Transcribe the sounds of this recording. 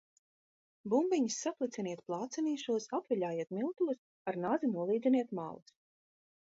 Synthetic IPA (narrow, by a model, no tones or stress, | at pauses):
bumbiɲisːaplˠit̪sʲɛniɛt̪̚plˠaːt̪sɛniːʃuɔsapvʲiʎʲaːjeɛt̪milˠt̪ulɨs | aɾnazinuɔlˠiːd̪zʲiniɛt̪ma̰lˠus